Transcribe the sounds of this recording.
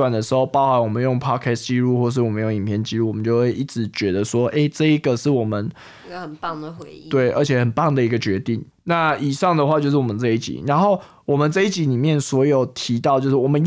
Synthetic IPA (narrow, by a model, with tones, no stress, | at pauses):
wa˨˩nd̪ə˩ʂɻ̩˧˥xo˥˧ʊpɑ˥˧ʊxa˧˥nwɔ˨˩mə˨˦njo˥˩ŋpʰɑ˥kʰɛ˥st͡ɕi˥ɻu˥˧xwɔ˥˧ʂ̬ɻ̩˥˩wɔ˨˩mə˨˦njo˥˩ŋi˨˩pʰjɛ˥˩nt͡ɕi˥ɻu˥˩wɔ˨˩mə˦t͡ɕjo˥˧ʊxwe˥˧ɪʔi˥˩ʈ͡ʂɻ̩˧˥t͡ɕɥɛ˧˦d̪ə˨swɔ˥ʔe˥ɪʈ͡ʂɤ˥˨i˦˥ɡə˨ʂɻ̩˥˩wɔ˨˩mə˨˦n˧ | xə˨˩npɑ˥˩ŋdə˨xwe˧˦ɪ˨t̪we˥˩ɪʔə˞˧˥t͡ɕʰjɛ˨˩xə˨˩npɑ˥˩ŋd̪ə˨i˧˥ɡə˧t͡ɕɥɛ˧˥t̪i˥˩ŋ | na˥˨i˨˩ʂɑ˥˩ŋd̪ə˨xwa˥˧t͡ɕjo˥˧ʊʂ̬ɻ̩˥˩wɔ˨˩ə˨nt͡sa˥˧i˥˩t͡ɕḭ˨˦ɻa˧˦nxo˥˩ʊ | wɔ˨˩mə˨nt͡sa˥˧i˥t͡ɕi˧˦ni˨˩mjɛ˥˨nswɔ˧˥jo˨˩ʊt̪ʰi˧˥t̪ɑ˥˩ʊt͡ɕjo˥˧ʊʂ̩˥˩wɔ˨˩mə˦n